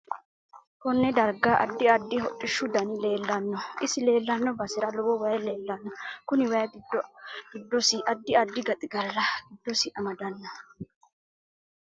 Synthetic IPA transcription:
kɔnːɛd̪ɐɾɡaːʔɐ̰d̪ːɪɐd̪ːɪɦɔʔʼːɪʃːʊd̪ɐnɪle̞ːlːɐnːɔʔɪsɪle̞ːlːɐnːɔbɐsɪɾɐlɔwɔwɐjɛle̞ːlːɐnːɐkʊnɪwɐjɡɪd̪ɔɡ̥ɪd̪ːɔsiʔɐd̪ːɪɐd̪ːɪɡɐt̪ʼɪɡɐlɾɐɡɪd̪ːɔsɪʔɐmɐd̪ɐnːɐ

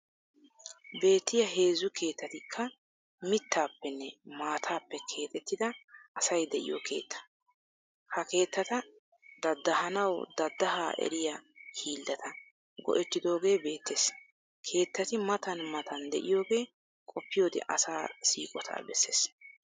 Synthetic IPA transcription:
be̞ːt̪ːɪjɐɦe̞ːzːʊkʰe̞ːt̪ːɐt̪ɪkʰːɐ | mɪt̪ːaːpːɛnːɛmaːt̪ʰaːpːɛkʰe̞ːt̪ʼɛt̪ːɪd̪ɐʔɐsɐjd̪ɛʔɪ̰jo̰ːkʰe̞̰ːt̪ʰːɐ̥ | hɐke̞ːt̪ːɐt̪ɐ | d̪ɐd̪ːɐɦɐnɐwd̪ɐd̪ːɐɦaːʔɛ̰ɾɪjahiːld̪ɐt̪ɐ | ɡɔ̰ʔɛt̪ːɪd̪o̞ːɡe̞ːbe̞ːt̪ːes | kʰe̞ːt̪ːɐt̪ɪmɐt̪ɐnmɐt̪ɐnd̪ɛ̰ʔɪjo̞ːɡe̞ː | kʼɔpːɪjo̞ːd̪ɛ̰ʔɐ̰saːsḭːkʼɔt̪ʰa̰ːbɛsːḛːs

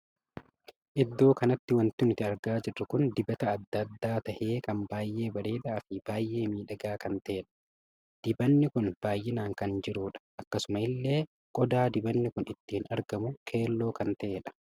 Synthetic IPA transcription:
ʔɪd̪ːo̞ːkɐnɐt̪ːɪwɐnt̪ɪnt̪ɪɐɾɡaːd͡ʒɪrːɐkʊnd̪ɪbɐt̪ɐːd̪ːɐd̪ːaːt̪ɐʔe̞ːkɐmbaːjʔe̞ːbɐɾe̞ːd̪aːfɪb̥aːjʔe̞ːmiːᶑɐɡaːkɐnt̪ɐʔeːᶑɐ̥ | d̪̥ɪbɐnːɪkʊnb̥aːjʔːɪnaːŋkɐnd͡ʒɪɾuːᶑɐ̥ʔɐkːɐsʊmɐɪlːe̞ː | kʼɔd̪aːd̪ɪbɐnːɪkʊnɪt̪ːiːnɐɾɡɐmʊkʰe̞ːlːo̞ːkɐnt̪ɐʔeːᶑɐ̥

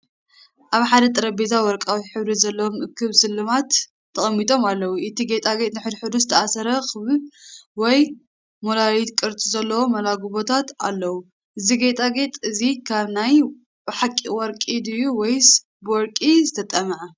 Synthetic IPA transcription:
ʔaβħad̪ɐt̪ʼɨɾɐbezawɔɾkʼawiħɨβɾizɐlːɐwomʔɨkʰːɨβsɨlːɨmat̪ʰː | ɐχʼɐmːit̪ʼo̞malːɐwuʔɨt̪ʰiɡet̪ʼaɡet̪nɨħɨd̪ħɨd̪uzɨt̪ʰɐasɐɾɐkʰɨβɨβwɔj | molalit̪kʼɨɾt̪ʼizɐlːɐwo̞mɐlaɡuβo̞t̪ʰat̪a̰lːɐwu | ʔɨziɡet̪ʼaɡet̪ʼɨzikʰaβnaj | bɨħakʼiwɔɾkʼid̪ɨjuwɔjs | bɨwɔɾkʼizɨt̪ʰɐt̪ʼɐmʕɐ

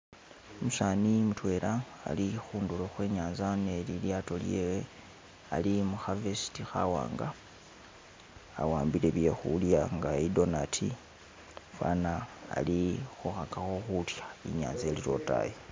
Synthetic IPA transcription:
omusanimutwe̞ːɾa̰ː | lixuːnduloxwe̞ːɲaːnzane̞liljato̞lje̞we | alimuxavesi̥tixa̰wa̰ːŋɡa | a̰waːmbile̞βje̞xuljaŋɡaido̞natʰi | fwa̰ːna̰ːlixuxakaxo̞xutjḁḭɲa̰ːnze̞liɾo̞ta̰je

